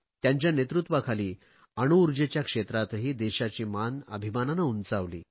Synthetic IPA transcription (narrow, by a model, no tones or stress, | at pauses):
t̪jãɲt͡ɕjanet̪ɾut̪ʋakʰaliː | əɽ̃uːɾd͡ʑet͡ɕjakʂet̪ɾat̪ɦiːd̪eɕat͡ɕiːmanə̰bʱimananaunt͡saʋlḭː